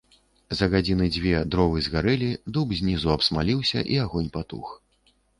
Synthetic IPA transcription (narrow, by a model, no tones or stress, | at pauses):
zɐɣad͡zʲinɨd͡zʲvʲɛd̪ɾɔvɨzɣaɾɛlʲid̪ubzʲnʲizuɐpsmalʲiwsʲɐ̰ʔiaɣɔnʲpat̪ṵx